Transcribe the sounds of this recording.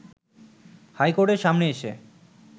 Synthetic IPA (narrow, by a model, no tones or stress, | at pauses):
hajkoɾʈeɾʃamneeʃḛ